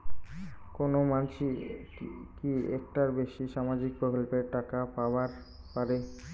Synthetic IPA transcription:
konomanʃi | kiek̚ʈaɾbeʃiʃamad͡ʑik̚pokolpeɾʈakapawaɾ | paɾe

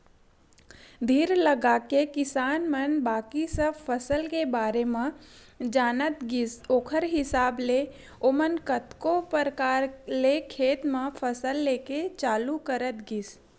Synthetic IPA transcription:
d̪ʱiːɾləɡaːkekɪsaːnmənbaːkisəfʰəsəlkebaːɾemã | d͡ʒaːnət̪ɡɪsoːkʰəɾɦɪsaːble | omənkət̪kopəɾkaːɾlekʰeːt̪mãfʰəsəlːeːket͡ʃaːlukəɾət̪ɡɪs

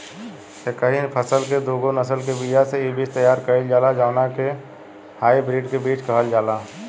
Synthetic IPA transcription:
ekəɦipʰəsəlked̪oːɡonəsəlk̬ebid͡ʒaseibiːt͡ʃt̪əjaːɾkəeld͡ʒaːlad͡ʒaːʊnake | haːibɾiːɖkebiːt͡ʃkəɦəld͡ʒaːlaː

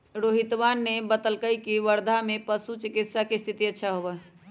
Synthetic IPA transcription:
ɾoːɦɪt̪ʋanːebət̪əlkəikiʋəɾd̪ʱamẽpəsut͡ʃɪkɪt̪sakest̪ʰit̪iətːʃʰaɦobaɦ

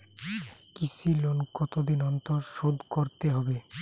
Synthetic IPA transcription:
kisilonkɔt̪od̪inɔnt̪oɾʃod̪koɾt̪eɦɔbe

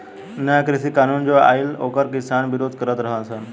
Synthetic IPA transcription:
nəjakɾisiːkanuːnd͡ʑoa̰ilo̰kəɾkisaɳʋiɾod̪ʱkəɾət̪ɾəɦasan

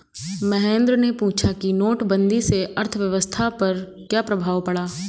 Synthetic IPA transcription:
mɛɦẽːnd̪ɾnepuːt͡ʃʰakinoːʈbə̃nd̪iseɐɾt̪ʰʋjɐʋəst̪ʰapɐɾ | kjaːpɾɐbʱaːʋpɐɽaː

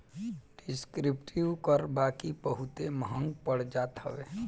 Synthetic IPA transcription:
ɖɪskɾipʈʰiʋkəɾbaːkibəɦut̪eməɦə̃ŋɡpəɽ̤d͡ʒaːt̪ɦə̰ʋe

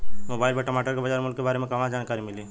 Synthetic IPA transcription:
moːbaːɪlpeʈɐmaːʈəɾkebɐd͡ʒaːɾmʊlkkːebaːɾemẽkɐʋãd͡ʒaːnkaːɾimɪliː

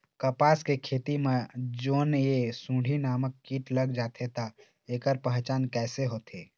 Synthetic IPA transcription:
kəpaːskekʰeːt̪imẽd͡ʒoːnjesũːɖʱinaːməkːiːʈləɡd͡ʒaːt̪ʰet̪a | eːkəɾpə̃ɦt͡ʃaːnkɛːseɦoːt̪ʰeː

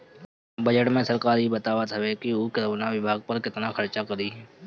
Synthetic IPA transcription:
bɐd͡ʒəʈmẽsɐɾkaːɾibɐt̪aːʋət̪ɦɛʋekiokɪɾnaʋɪbʱaːɡ̚pɐɾkɪt̪nakʰɐɾt͡ʃakɐɾiɦ

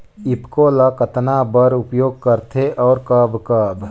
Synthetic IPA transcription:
ɪpkoːlakət̪nabəɾʊpjoːɡ̚kəɾt̪ʰeʔɔːɾkəːbkəːb

